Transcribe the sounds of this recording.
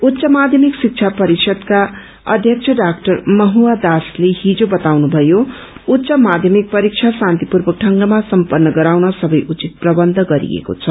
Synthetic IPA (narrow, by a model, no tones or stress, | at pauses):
ut̪ːsʌmad̪ʱjʌmiksik̚t͡sʰapʌɾiksʰʌd̪ka | ʌ̰d̪ʱjʌk̚t͡sʰʌɖakʈʌrmʌɦuwad̪asleɦid͡zobʌt̪awnubʱʌjo | ut̪ːsʌmad̪ʱjʌmik̚pʌɾik̚t͡ʃʰasãnt̪ipurbʌk̚ʈʰʌŋɡʌmasʌmpʌrnːʌɡʌɾawnʌsʌbʌjʔut͡sit̪̚prʌbʌnd̪ʱʌɡʌɾḭḛko̰t͡sʰʌ